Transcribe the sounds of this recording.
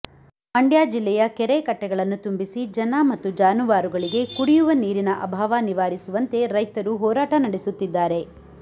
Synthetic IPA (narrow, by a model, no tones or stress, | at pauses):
ɐɳɖjaːd͡ʒilːɛjɐkɛɾekɐʈːɛɡɐɭɐnːut̪umbisid͡ʒɐnɐmɐt̪ːud͡ʒaːnuʋaːɾuɡɐɭiɡe̞kuɽijuʋɐniːɾinɐʔɐbʱaːʋaniʋaːɾisuʋɐnt̪e̞ɾɐjt̪ɐɾuɦɔːɾaːʈɐnɐɽesut̪ːid̪ːaːɾe̞